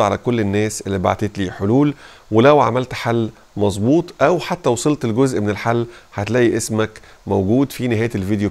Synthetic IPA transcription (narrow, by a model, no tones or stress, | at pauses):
ʕalækolːenːæːsʔelːiba̰ʕt̪eːt̪liːħoluːl | welæwʕa̰mælt̪ħalː | mɑzˤbuːt̪ˤʔæwħat̪ːæwɑsˤelt̪elɡozʔmenelħalːħat̪læːʔiʔesmæk | mowɡuːd̪fineɦæːjelvid̪jo